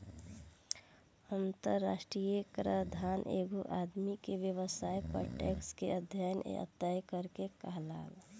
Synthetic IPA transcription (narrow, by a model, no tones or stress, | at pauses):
ənt̪əɾːaʃʈɾijəkɾəd̪ʱaːnʔḛːɡuʔad̪mikebjəwəsaːjpo̰ʈekskeəd̪ʱjajnʔə̰t̪jajkəɾkekaɦla̰ːl